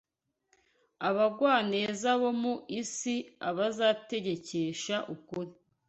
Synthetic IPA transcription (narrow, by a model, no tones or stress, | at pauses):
aβaɡwaːne̞ːzaβomuisiaβazaːte̞ɟe̞ceʃaʔukuɾi